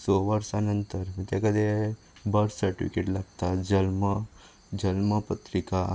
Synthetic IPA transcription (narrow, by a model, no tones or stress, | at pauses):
soʋəɾsanənt̪əɾt̪ekəd̪ʱe | bəɾsəʈiʋfikeʈlaɡ̚t̪ad͡ʒəlmə | d͡ʑəlməpət̪ɾika